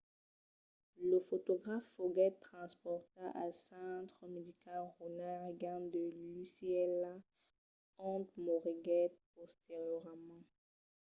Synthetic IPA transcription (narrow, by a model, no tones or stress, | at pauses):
ləfot̪ɔɡʁafːoɡɛt̪ːχɑ̃spɔʁt̪aʔasɑ̃t̪χəmed̪ikalʁonaʁɡãd̪əlyseɛla | ɑ̃t̪̚mɔʁiɡɛt̪̚pɔst̪eʁjɔʁmɑ̃